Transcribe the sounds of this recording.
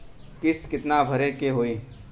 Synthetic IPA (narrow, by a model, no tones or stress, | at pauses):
kɪskɪt̪nabʱəɾekeɦoːiː